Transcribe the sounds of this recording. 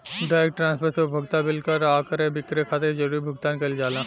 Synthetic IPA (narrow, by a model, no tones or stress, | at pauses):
ɖaːekʈɾãːnspʰəɾt̪ʰobʱəɡt̪abɪlkɐɾaːkəɾẽbɪkɾekʰaːt̪eɾd͡ʒəɾiːbʱəɡ̚t̪aːnkɐld͡ʒaːlãː